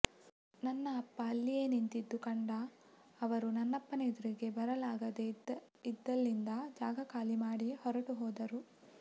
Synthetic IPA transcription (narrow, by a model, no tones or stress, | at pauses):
nɐnːɐːpːɐːlːijeːnint̪id̪ːukɐɳɖɐː | ʋɐɾunɐnːɐpːɐned̪uɾiɡe̞bɐɾɐlaːɡɐd̪e | id̪ːɐlːind̪ɐd͡ʒaːɡɐkaːlimaːɽihɔɾɐʈuɦɔːd̪ɐɾu